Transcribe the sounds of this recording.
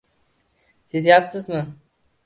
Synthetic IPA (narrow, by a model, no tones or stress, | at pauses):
sizjapsɨzmɨ